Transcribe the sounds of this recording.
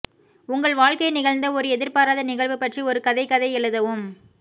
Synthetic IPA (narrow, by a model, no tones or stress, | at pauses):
ʊŋɡɐɭʋaːɻkɐɪnɪɣɐɭnd̪ɐɔɾɯɛðɪɾpaːɾaːðɐnɪɣɐɭʋɯpːɐʈriɔɾɯkɐðɐɪkːɐðɐɪɛɭɯðɐʋɯm